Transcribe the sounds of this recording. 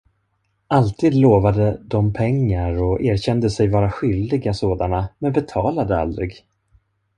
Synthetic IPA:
alt̪ʰiːd̪loːvad̪əd̪ɔmpʰɛŋːaɾɔʔeːɾɕɛnd̪əsɛjvɑːɾaɧʏld̪ɪɡasoːd̪anamɛnbɛt̪ʰɑːlad̪əa̰ld̪ɾɪɡ

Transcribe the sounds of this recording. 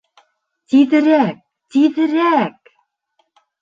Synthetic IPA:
t̪iðɘ̆ɾæk̚ | t̪iðɘ̆ɾæk̚

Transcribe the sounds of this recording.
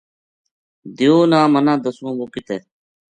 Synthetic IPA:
d̪ɪjoːnãːmənãːd̪əsõːboːkɪt̪eː

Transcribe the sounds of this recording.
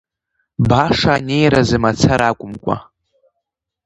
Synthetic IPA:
baʂaːne̞jɾazɨmat͡sʰaɾakʷʼʊmkʷʼa̰

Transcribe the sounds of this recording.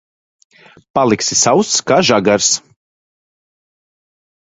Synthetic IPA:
palˠiksisawst̪ːkaːʒaɡaɾs

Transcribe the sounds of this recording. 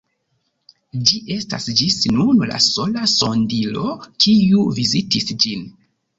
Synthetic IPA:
d͡ʒiʔe̞sta̰sd͡ʒisnunla̰so̞laso̞ndilo̞kʰiuvizitisd͡ʒin

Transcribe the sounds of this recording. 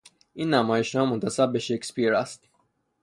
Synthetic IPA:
ʔiːnːæmɒːjeʃnɒːmont̪ʰæsæbːeʃekspiɾæst̪̚

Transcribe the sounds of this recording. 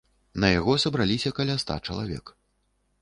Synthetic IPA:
nɐjaɣɔsɐbɾalʲisʲɐkalʲast̪a̰t͡ʂɐ̰lˠa̰vʲɛ̰k

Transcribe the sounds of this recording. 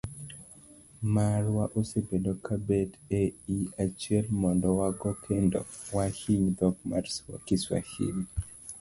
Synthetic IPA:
marwaʔosebedokʰabeteiat͡ʃiɛlmɔndɔwaɡɔkʰendɔ̰wahiɲd̪ɔɡmarswa̰kiswa̰hḭɲ

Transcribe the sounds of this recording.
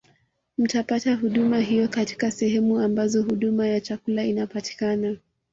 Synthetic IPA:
m̩tapataɦuɗumaɦijɔkati̥kasɛhɛmuambazɔhuɗumajat͡ʃakulainapati̥kana

